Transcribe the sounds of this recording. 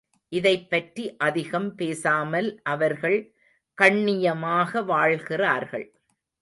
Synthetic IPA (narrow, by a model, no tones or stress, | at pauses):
ʔɪðɐɪpːɐʈriʔɐðɪɣɐmpeːsaːmɐlʔɐʋɐɾɣɐɭ | kɐɳːɪjɐmaːɣɐʋaːɭɣɪraːɾɣɐɭ